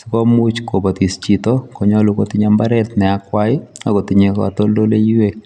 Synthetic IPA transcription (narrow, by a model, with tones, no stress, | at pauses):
sɔ˨kɔ˦mu˦t͡ʃko˨ba˨t̪i˨st͡ʃi˨t̪o˦kɔ˨ɲɔ˦lu˨ko˨ti˦ɲamba˦ɾɛ˦t̪nɛ˨a˨kwa˦ɪ˦a˨ko˨ti˨ɲe˨kɔ̰a˨t̪o˦ldo˦le˦ji˦we˨